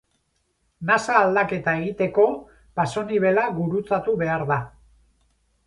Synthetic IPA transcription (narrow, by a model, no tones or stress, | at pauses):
masaːld̪ake̞t̪ae̞ɣit̪e̞ko̞ | paso̞niβ̞e̞laɣuɾut͡sat̪uβe̞aɾða